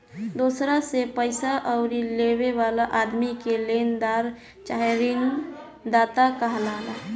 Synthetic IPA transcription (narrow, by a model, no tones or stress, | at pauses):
d̪osɾasepəɪsaʔəʊɾileweʋalaʔad̪mikelend̪aɾ | t͡ʃaːjɾin | d̪aːt̪akəɦlaːla